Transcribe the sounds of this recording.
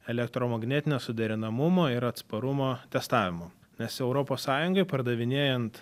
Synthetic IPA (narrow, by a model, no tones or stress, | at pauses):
ɛlʲɛk̚t̪ɾoːmɐɡnʲɛːt̪ʲɪnʲoːsʊd̪ʲɛɾʲɪnɐmʊmoːɪɾɐt̪spɐɾʊmoːt̪ʲɛst̪ɑːʋʲɪmoː | nʲɛsɛʊɾopoːssɑːjʊŋɡɐɪpɐɾd̪ɐʋʲɪnʲeːjɛnt̪